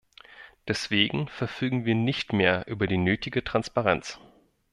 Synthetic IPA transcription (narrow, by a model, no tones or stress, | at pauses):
d̥ɛsv̥eːɡŋ̩fɛɐfyːɡŋ̩viːɐnɪçtmeːɐʔyːbɐdiːnøːtɪɡətʁ̥anspaʁɛnt͡s